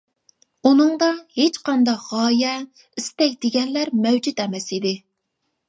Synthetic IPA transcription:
unɨŋd̪ɑhet͡ʃqɑnd̪ɑqʁɑːjɛ | ist̪ɛkʲd̪eɡʲɛnlæɾmɛwd͡ʒyt̪ɛmɛsid̪ɪ

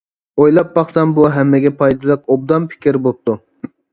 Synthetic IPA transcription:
ojlˠɑp̚bɑχsɑnbuɦɛmːɪɡʲɛpʰɑjd̪ɨlˠɨq̚ob̚d̪ɑmpʰɪ̥kʲɪɾbop̚t̪u

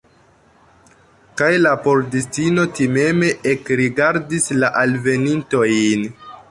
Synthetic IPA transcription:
kajlapo̞ɾdistino̞time̞me̞ʔekɾiɡaɾdislaʔalve̞ninto̞jn

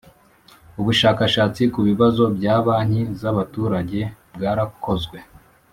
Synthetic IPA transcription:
uβuʃaːkaʃaːt͡sikuβiβazo̞bɟaːβaːn̥hizaβatuːɾaɟe̞bɡaːɾako̞zɡwe̞

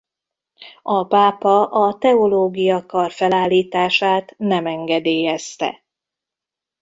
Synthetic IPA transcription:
ɒpaːpɒʔɒt̪ɛoloːɡijɒkɒrfɛlaːlːiːt̪aːʃaːt̪nɛmɛŋɡɛd̪eːjɛst̪ɛ̰

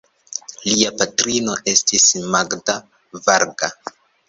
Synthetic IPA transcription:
liapatɾino̞ʔe̞stismaɡda | vaɾɡa

